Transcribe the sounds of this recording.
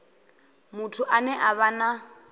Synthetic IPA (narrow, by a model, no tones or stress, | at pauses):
mʊtʰʊʔanɛʔaβana